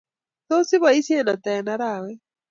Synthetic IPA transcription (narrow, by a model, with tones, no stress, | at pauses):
to˦si˦βa˨i˦sjɛ˦˨na˨ta˨ɛ˨na˦ɾa˨wɛ˦